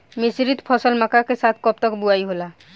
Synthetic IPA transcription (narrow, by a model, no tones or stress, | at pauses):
misɾit̪pʰɔsəlmakakesat̪ʰkɔp̚t̪ɔkbuaiɦola